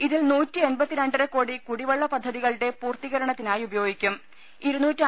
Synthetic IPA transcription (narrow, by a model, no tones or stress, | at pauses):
iðilnuːtːɨe̞nbɐt̪ːiɾeɳɖɨɾekoːɽikuɽiʋɐɭːɐpɐd̪ʱːɐðiɣɐɭɽe̞puːrt̪iɣɐɾɐɳɐt̪ːinaːjubɐjoːɡikʲːum | iɾunːuːtːɨ